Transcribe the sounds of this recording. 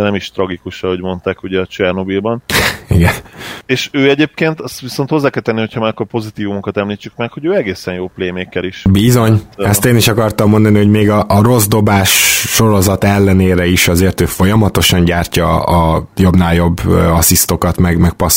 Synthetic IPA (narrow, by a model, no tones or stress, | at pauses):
ɛnɛmiʃt̪ɾɒɡikuʃɒho̞ɟmo̞nt̪aːkuɟɛɒt͡ʃɛrno̞bilbɒniɡɛneːʃøːɛɟeːp̚keːnt̪ɛst̪ʋiso̞nt̪ho̞zːaːkɛlt̪ɛnːihochɒmakːorpo̞zit̪iːvumukɒt̪ɛmliːt͡ʃːykmɛkho̞ɟøːɛɡeːsɛnjoːpleːmeːkːɛliʃbizo̞ɲɛst̪eːniʃɒkɒrt̪ɒmːo̞nd̪ɒniɦo̞ɟmeːɡɒʔːɾo̞zd̪o̞baːʃːo̞ɾo̞zɒt̪ɛlːɛneːɾɛiʃɒzeːrt̪øːfo̞jɒmɒt̪o̞ʃɒɲɟaːrcɒ̰ɒjo̞bnaːljo̞bːøɒsist̪o̞kɒt̪mɛɡmɛk̚pɒs